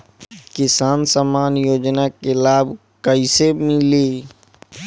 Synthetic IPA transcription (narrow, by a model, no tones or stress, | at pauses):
kɪsaːnsamaːnjoːd͡ʒnakelaːb | kəɪsemɪliː